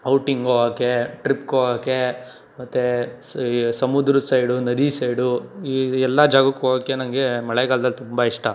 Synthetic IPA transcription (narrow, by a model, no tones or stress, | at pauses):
ɐwʈiŋɡoakeʈɾip̚koːaːke | mɐt̪ːe | sɐmud̪ɾusɐjɽunɐd̪isɐjɽuiɛlːɐd͡ʒaːɡɐkːoɐkenɐŋɡemɐɭeɡaːld̪ɐlt̪umbaiʂʈɐ